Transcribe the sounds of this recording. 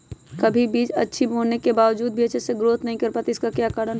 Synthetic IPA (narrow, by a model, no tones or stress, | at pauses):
kɐbʱibiːd͡ʒɐtːʃʰibonekebaːʋd͡ʒuːd̪̚bʱiɐtːʃʰeseɡɾoːt̪nɐɦĩkɐɾpaːt̪iɪskakjaːkaːɾən